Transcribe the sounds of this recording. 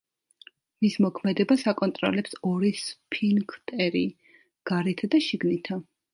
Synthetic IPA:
mismɔkʰmɛd̪ɛbasakʼɔnt̪ʼɾɔ̰lɛpsɔɾispʰinkʰt̪ʼɛɾi | ɡ̥aɾɛt̪ʰad̪aʃiɡnit̪ʰa

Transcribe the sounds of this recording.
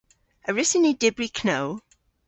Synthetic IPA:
əɹɪsɪnidɪbɹikʰnoʊ

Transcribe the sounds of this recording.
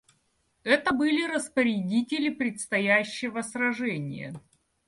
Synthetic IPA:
ɛt̪əbɨlʲɪɾəspəɾʲɪdʲitʲɪlʲɪpɾʲɪt̪st̪ɐjæɕːɪvəsɾɐʐɛnʲɪ̰jə̰

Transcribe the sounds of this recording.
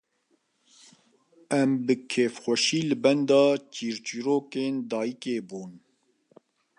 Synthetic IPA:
ɛmbɨkʰeːfxʷɛʃiːlɨbɛnd̪ɑːt͡ʃiːɾt͡ʃiɾoːkeːnd̪ɑːjikeːbuːn

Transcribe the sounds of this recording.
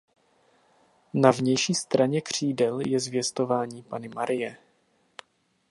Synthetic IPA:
navɲɛjʃiːst̪ɾaɲɛkr̝̥iːdɛljɛzvjɛst̪o̞vaːɲiːpanɪmaɾʔɪjɛ

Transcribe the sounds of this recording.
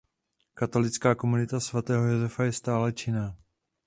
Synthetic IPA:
kat̪o̞lɪt͡skaːkomunɪt̪asvat̪ɛːɦo̞jo̞zɛfajɛst̪aːlɛt͡ʃɪnaː

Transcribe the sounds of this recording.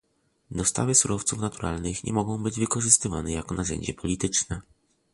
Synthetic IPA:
d̪ɔst̪a̰vɘsuɾɔft̪sufnat̪uɾʔa̰lnɘxɲʔɛ̰mɔɡɔ̃w̃bɘd͡ʑvɘkɔʐɘst̪ɘvanɛjakɔnaʐɛ̰ɲd͡ʑɛpʰɔlʲit̪ɘt͡ʂnɛ

